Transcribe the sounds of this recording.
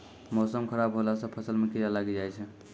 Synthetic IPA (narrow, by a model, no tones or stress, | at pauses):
mɔsəmkʰəɾabɦolasə̃pʰəsəlmekijalaɡed͡ʒajt͡ʃʰɛ